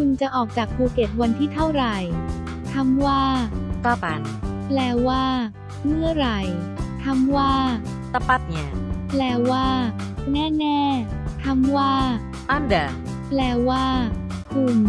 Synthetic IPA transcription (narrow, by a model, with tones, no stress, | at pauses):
kʰu˧nt͡ɕa˨˩ʔɔː˨˩k̚t͡ɕaː˨˩k̚pʰuː˧ke˨˩t̪̚wa˧nt̪ʰiː˥˩t̪ʰa˥˩wɾa˨˩j | t̪ʰa˧˥mwaː˥˩kaː˥˩pa˧n | plɛː˧˩waː˥˩ | mɯ˥˩ɐɾa˨˩jt̪ʰa˧˥mwaː˥˩ | sa˧pa˧˩t̪̚ɲa˧˩plɛː˧˩waː˥˩ | nɛː˥˩nɛː˥˩t̪ʰa˧˥mwaː˥˩ | ʔa˦˥˩nda˨˩ | plɛː˧˩waː˥˩ | kʰu˨˧˩m